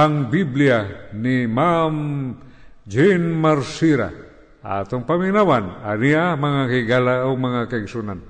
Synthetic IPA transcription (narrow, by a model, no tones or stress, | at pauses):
aŋbiblianimam | d͡ʒɛnmaɾsiɾa̰ | a̰t̪oŋpamɪiŋnawananiamaŋakaɡalaomaŋakaɪɡsunan